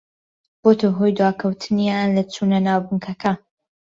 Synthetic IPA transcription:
b̥ot̪ʰɐɦojd̪waːkʰɐwt̪ʰɨnijanlɐt͡sʰunɐnaːwbuŋkʰɐkʰɐ

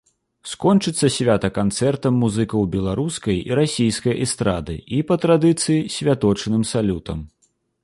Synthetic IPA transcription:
skɔnt͡ʂɨt̪sːɐsʲvʲat̪ɐkant̪sɛrt̪ɐmːuzɨkɐwbʲɛlˠaɾuskɐjḭɾasʲijskɐjʔɛst̪ɾad̪ɨ̰ipɐt̪ɾad̪ɨt̪sɨjisʲvʲat̪ɔt͡ʂnɨmsalʲut̪ɐ̰m

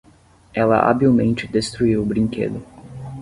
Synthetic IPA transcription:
ɛlɐ̰ʔa̰biwmẽnt͡ʃɪd̪est̪ɾuiwʊbɾĩŋkḛd̪ʊ

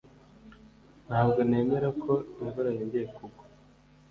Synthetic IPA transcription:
n̥haːbɡo̞ne̞ːme̞ɾakʰo̞imvaɾajindijekuɡo̥

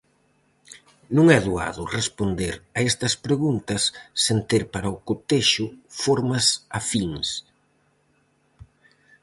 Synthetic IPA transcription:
nũŋɛðua̰ðʊrespond̪eɾɐest̪ɐspɾeɣunt̪ɐsːent̪eɾpaɾɐʊkot̪eʃʊfoɾmɐsafiŋs

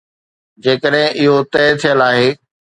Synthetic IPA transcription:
d͡ʑeːkəɗɦɪ̃ʔɪɦot̪ɛːt̪ʰijəlaːɦeː

